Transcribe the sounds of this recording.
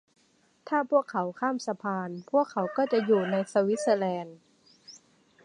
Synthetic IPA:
t̪ʰaː˥˩pʰu˥˩əkʰːa˩˦wkʰaː˥˩˨msa˧pʰaː˧npʰu˥˩əkʰːa˩˦wkɔː˥˩t͡ɕa˨˩juː˨˩na˧jsa˧wi˦˥t̪̚sa˧lɛː˧n

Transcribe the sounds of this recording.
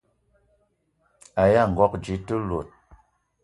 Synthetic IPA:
a˨ja˦˨ŋ̩˨ɡɔ˦k̚d͡ʒi˨˦tɨ˦lo˨t̚

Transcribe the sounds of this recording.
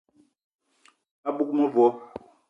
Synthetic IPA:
a˦ɓu˦k̚mɔ˦vɔ˨˦

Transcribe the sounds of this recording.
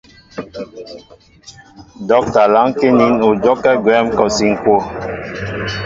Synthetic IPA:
dɔ˨˦k̚ta˨la˨˦ŋke˦ni˨˦no˨d͡ʒɔ˦kːɛ˦ɡwɛ˨˦mkɔ˨si˨ŋ̩˨kwo˦˨

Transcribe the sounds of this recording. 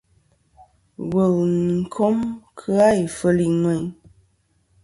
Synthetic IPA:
wə˨lŋŋ̩˦˨kʰo˦mkʰɨ˦a˦i˨fə˨li˨nwɛ˨ɲ

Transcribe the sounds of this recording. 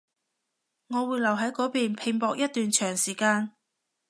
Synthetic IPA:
ŋɔː˨˧wuː˨˧jlɐ˨˩wɦɐ˨˥jkɔː˨˥piː˨npʰɪ˨˩ŋpɔː˨k̚jɐ˥t̪̚yː˨nt͡ʃʰœː˨˩ŋsiː˨˩kaː˧n

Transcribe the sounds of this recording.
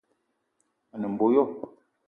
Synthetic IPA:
nə˨m̩˨bo˨˦jɔ˦

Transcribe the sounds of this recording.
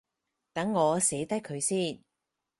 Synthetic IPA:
t̪ɐ˨˥ŋːɔː˨˧seː˨˥t̪ɐ˥jkʰɵ˨˧ɥsiː˥˩n

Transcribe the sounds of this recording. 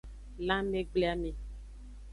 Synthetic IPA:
lã˦me˦ɡ͡ble˦a˦me˨

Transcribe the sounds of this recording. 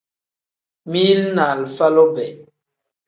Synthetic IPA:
mi˦lna˨lfa˦lo˦bɛ˨

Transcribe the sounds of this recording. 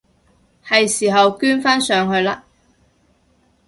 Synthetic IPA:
hɐ˨jsiː˨˩ɦɐ˨wkyː˥nfaː˥nsœː˨˧ŋhɵ˧ɥlaː˧

